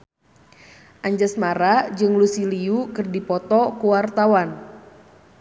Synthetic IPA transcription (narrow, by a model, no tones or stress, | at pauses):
ʔaɲd͡ʒəsmaɾad͡ʒɨŋlusiliukɨrdipɔt̪ɔkuwart̪awan